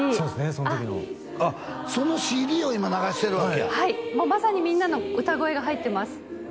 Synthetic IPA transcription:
soːd̪esɨne̞sonot̪okʲino̰ | aso̞no̞ɕiːd̪ʲiːo̞imanaɡaɕi̥t̪e̞ɾɯβakeahaimoːmasaɲ̟imʲĩnːano̞ɯ̟t̪aɡo̞e̞ɡaɦait̪ːe̞masɨ̥

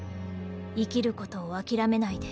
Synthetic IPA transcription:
ikʲiɾɯ̟ko̞t̪o̞ːakʲiɾame̞naid̪e

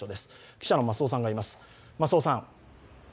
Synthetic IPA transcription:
od̪e̞sɨ̥ | kʲi̥ɕano̞masoːs̬ãŋɡaimasɨ̥ | masoːsãŋ

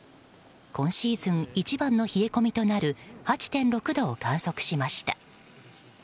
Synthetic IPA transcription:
kõ̞ɰ̃ɕiːzɨ̃ŋit͡ɕibãnːo̞çieko̞mʲit̪o̞naɾɯ̟hat͡ɕi̥t̪ẽ̞nɾo̞kɯ̟d̪o̞ːkãɰ̃so̞kɯ̟̥ɕimaɕi̥t̪a̰

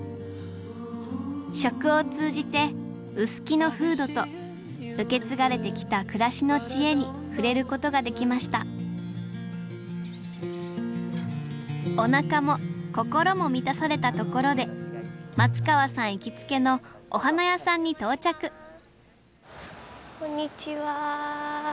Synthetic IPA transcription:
ɕo̞kɯ̟o̞t͡sɨːʑit̪e̞ | ɯ̟sɨ̥kʲino̞ɸɯ̟ːd̪o̞t̪o̞ | ɯ̟ke̞t͡sɨɡaɾe̞t̪e̞kʲi̥t̪akɯ̟ɾaɕino̞t͡ɕie̞ɲ̟i | ɸɯ̟ɾe̞ɾɯ̟ko̞t̪o̞ɡad̪e̞kʲimaɕi̥t̪a̰ | o̞nakamo̞ko̞ko̞ɾo̞mo̞mʲit̪asaɾe̞t̪at̪o̞ko̞ɾo̞d̪e̞mat͡sɨ̥kaβasãɰ̃ikʲit͡sɨ̥ke̞no̞oɦanajasãɲ̟ːit̪o̞ːt͡ɕakɯ̟ | kõɲːit͡ɕiβa

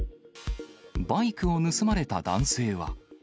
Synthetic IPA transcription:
baikɯ̟o̞nɯ̟sɨmaɾe̞t̪ad̪ã̰ɰ̃se̞ːβa̰

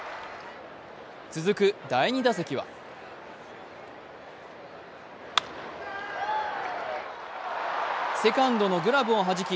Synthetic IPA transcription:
t͡sɨzɨkɯ̟d̪aiɲ̟id̪as̬ekʲiβa̰ | se̞kãnd̪o̞no̞ɡɯ̟ɾabɯ̟oɦaʑikʲi

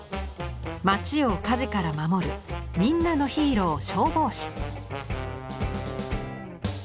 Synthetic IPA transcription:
mat͡ɕio̞kaʑikaɾamamo̞ɾɯ̟̰mʲĩnːano̞çiːɾo̞ːɕo̞ːbo̞ːɕi̥

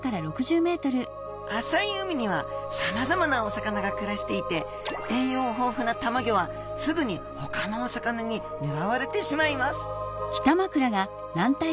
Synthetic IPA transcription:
kaɾaɾo̞kɯ̟ʑɨːme̞ːt̪o̞ɾɯ̟ | asaiɯmʲiɲ̟iβasamazamanaosakanaɡakɯ̟ɾaɕi̥t̪e̞it̪e̞ | d̪ẽɰ̃jo̞ːɦo̞ːɸɯ̟nat̪amaɡʲo̞βa | sɨɡɯ̟ɲ̟i | ho̞kano̞ːsakanaɲ̟i | neɾaβaɾe̞t̪e̞ɕimaimasɨ̥kʲi̥t̪amakɯ̟ɾaɡa | nãnt̪a

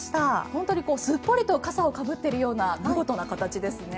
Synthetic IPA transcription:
i̥t̪ahõ̞nt̪o̞ɲ̟iko̞ːsɨpːo̞ɾʲit̪o̞kasao̞kabɯ̟t̪ːe̞ɾɯ̟jo̞ːnaɡɯɡo̞t̪o̞nakat̪at͡ɕid̪e̞sɨne̞

